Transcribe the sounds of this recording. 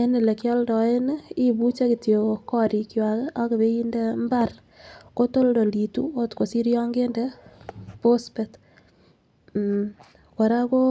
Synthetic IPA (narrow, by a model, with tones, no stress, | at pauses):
e˦nɪ˨le˨kjɔ˦ldɔ˨e˦nibu˦t͡ʃa˦ki˨tjo˨kɔ˦ɾi˨kjwa˨kʔa˦ke˨be˦i˦ndɛ˦mbar | ko˦to˦ldɔ˨li˨tṵ˦o˦tko˨siɾjɔ˦ŋɡe˦ndɛ | po˦spɛt | ka˨ɾa˦ko˦